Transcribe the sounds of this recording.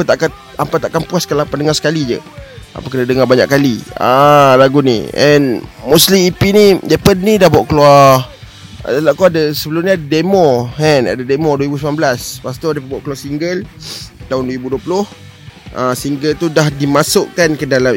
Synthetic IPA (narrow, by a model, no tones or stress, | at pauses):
ət̪aʔka | ampat̪aʔkampuaskalapandəŋasə̥kalid͡ʒə̰a̰pakənədəŋabaɲa̰ʔkːalia̰laɡunḭɛ̰nmuslimipinidepənnidahbuaʔkəlua̰ | dalaʔkoadəsəbəlʊmɲəadədemɔhɛna̰dademɔdwəɾibusmanbəlaspast̪odapəbaʔkəluasiŋɡəlt̪aʊnduwəɾibuduəpulʊh | ʔasiŋɡəlt̪udahdimasʊʔkankədalam